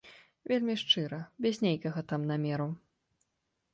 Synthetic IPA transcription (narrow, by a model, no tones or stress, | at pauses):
vʲelʲmʲiʂt͡ʂɨɾɐbʲɛzʲnʲejkɐɣɐt̪amnamʲɛɾu